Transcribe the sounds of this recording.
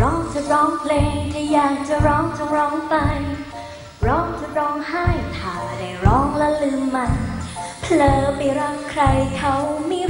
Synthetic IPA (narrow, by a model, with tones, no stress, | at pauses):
ɾɔː˦˥ŋt͡ɕa˧˩ɾɔː˦˥ŋpʰleː˧ŋt̪ʰaː˧˩jaː˨˩k̚t͡ɕa˨˩ɾɔː˦˥ŋt͡ɕa˧˩ɾɔː˦˥ŋpa˧j | ɾɔː˦˥ŋt͡ɕa˧˩ɾɔː˦˥ŋha˥˩jt̪ʰaː˨˩da˧˩jɾɔː˦˥ŋlɛ˦˧˥lɯː˧˩mːa˧npʰlɤː˩˨˩pa˧˩ɾa˦˧˥ŋkʰɾa˧jkʰa˦˥wmiː˧˥